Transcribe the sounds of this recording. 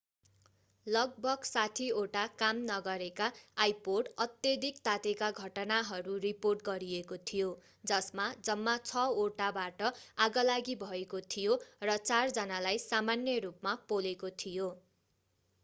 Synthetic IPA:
lʌɡ̚bʱʌɡsat̪ʰioʈakamnʌɡʌɾekaːjpoɖʌt̪jʌd̪ʱikt̪at̪ekaɡʱʌʈʌnaɦʌɾuriporʈɡʌɾiekot̪ʰijo | d͡zʌsmad͡zʌmːat͡sʰʌoʈabaʈʌaɡʌlaɡibʱʌekot̪ʰijorʌt͡sard͡zʌnalajsamanjʌrupmapolekot̪ʰijo

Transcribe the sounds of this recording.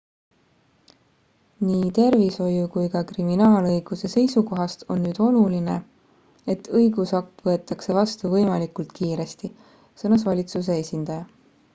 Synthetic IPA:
niːt̪e̞rviso̞jukujkɑkriminɑːlɤjɡ̥use̞se̞jsuko̞ɦɑst̪ʰo̞̰nːyːd̪̥o̞luline̞ | e̞t̪ːɤjɡ̥usɑk̚t̪vɤe̞t̪ːˑɑkse̞vɑst̪uvɤjmɑlikult̪kiːɾe̞st̪i | sɤnɑsvɑlʲit̪sus̬e̞esʲind̪̥ɑjɑ

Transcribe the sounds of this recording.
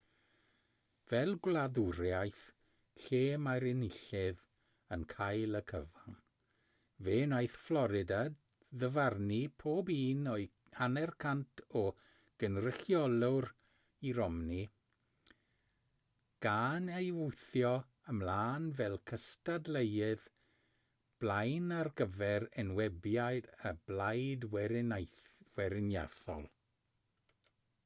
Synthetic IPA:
vɛlˠɡlˠaðʊɾjajθ | ɬeːmaɾɪnɪɬɪð | ənkʰajlˠəkʰəvan | veːnajθflˠɔɾɪdad | ðəvarnipʰoːbiːnɔɨ | anɛrkʰantʰɔ | ɡ̥ənrɪɬjɔlˠʊr | iɾɔmni | ɡ̥anejwʊjθjɔ | əmlaːnvɛlˠkʰəstadlˠejɨð | b̥lˠajnarɡəvɛɾənwɛbjajdəblajdwjwɛɾɪnja̰θɔ̰lˠ

